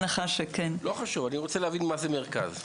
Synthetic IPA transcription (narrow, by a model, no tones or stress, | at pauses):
naχaʃekenloχaʃuvaniʁot͡selehavinmazemeʁka̰z